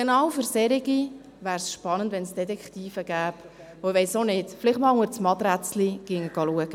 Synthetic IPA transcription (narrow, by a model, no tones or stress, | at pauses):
ɡ̥enɑːwføɾsɛɾɪɡi | ʋæːɾsʃpɑnəndʋɛnsd̥ɛtɛkχtiːfəɡæːp | oɪʋɛjsonɪtfɪlɪχtmɑːlʊŋəɾt͡smɑt̪ɾæt͡sliɡ̥ɪŋəɡ̥ɑluəɡ̥ə